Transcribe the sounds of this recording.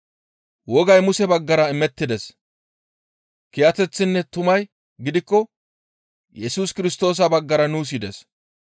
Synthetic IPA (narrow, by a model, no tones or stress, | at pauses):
wɔɡɐjmʊsɛbɐɡːɐɾɐɪmɛt̪ːɪd̪ɛs | kɪjɐt̪ɛt͡sːɪnːɛt̪ʊmɐj | ɡɪd̪ɪkːɔ | jɛsuːskɪɾɪst̪o̞ːs̬ɐbɐɡːɐɾɐnuːs̬ɪd̪ɛs